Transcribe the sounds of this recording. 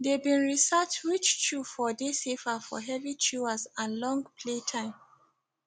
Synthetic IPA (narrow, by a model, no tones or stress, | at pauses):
debĩnɹisat͡ʃwit͡ʃt͡ʃufɔdesefafɔ̰ɦɛvit͡ʃuasãnlɔ̃ŋɡpʰletʰãɪ̃m